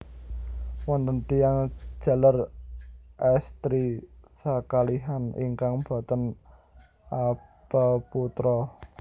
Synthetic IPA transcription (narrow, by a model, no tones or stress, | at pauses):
wɔnt̪ənt̪ijaŋ̥ʒ̥ä̤lar | ʔɛst̪ɾisakaliɦanḭŋkaŋb̥ɔ̤t̪ən | ab̥aput̪ɾɔ